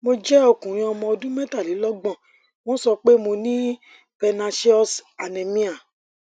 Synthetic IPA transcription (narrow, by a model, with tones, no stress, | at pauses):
mo˧d͡ʒɛ˦o˧kũ˨ɾ̃ĩ˧ɔ˧mɔ̃˧ɔ˧dũ˦mɛ˦ta˦˨li˨˦lɔ˦ɡ͡bɔ̃˦˨ | w̃ɔ̃˦sɔ˧k͡pe˦mo˧nĩ˦ | pɛ˧nã˧si˦ɔ˦sa˨nɛ̃˨mĩ˦a˨